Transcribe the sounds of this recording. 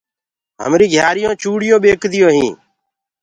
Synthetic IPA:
ɦə̰mɾiːɡʱjaːɾɪjõːt͡ʃuːɽɪjõːɓeːkd̪ɪjõːɦĩː

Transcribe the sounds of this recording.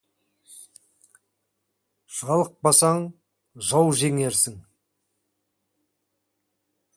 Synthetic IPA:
ʒ̥ɑlˠəq̚bɑsɑɴ | ʒɑwˠʒeŋe̞ɾsɪŋ

